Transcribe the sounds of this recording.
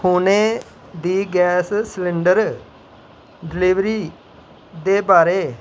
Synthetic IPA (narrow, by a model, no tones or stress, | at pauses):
kuːneː | d̪iːɡɛːsslɪɳɖəɾ | ɖɪliːʋɾiː | d̪eːbaːɾeː